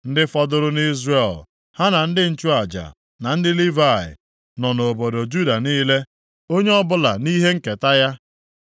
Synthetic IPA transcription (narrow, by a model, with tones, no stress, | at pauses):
n̩˦dɪ˦fɔ˦dʊ˦ɾʊ˦ni˦zre˦˨l | ha˦na˨n̩˦dɪ˦n̩˦t͡ʃu˦a˨d͡ʒa̰˨ | na˨n̩˦dɪ˦li˦va˦˨ɪ̰˨ | nɔ˨no˨bo˨do˨d͡ʒu˦da˨niː˦le˦ | o˦ɲe˦ɔ˦bʊ˦la̰˨ni˦ɦe˦ŋ̩˦ke˨ta˦ja˦